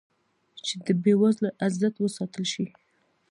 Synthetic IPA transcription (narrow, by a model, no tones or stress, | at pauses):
t͡ʃed̪əbewazlaʔazdat̪wəsɑt̪əlʃi